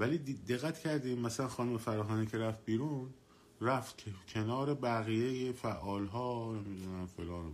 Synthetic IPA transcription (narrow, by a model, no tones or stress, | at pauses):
væliːd̪id̪e̞ɣːæt̪ʰcʰæɾd̪iːmmæsælænxɒːnumefæɾɒːɦɒːniːcʰe̞ɾæft̪̚biːɾũːn | ræft̪ʰcʰe̞nɒːɾe̞bæɣijejefæʔɒːlɦɒːne̞mid̪unæmfelɒːn